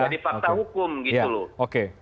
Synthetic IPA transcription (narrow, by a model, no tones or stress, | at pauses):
adifakt̪ahukʊmɡit̪aulooke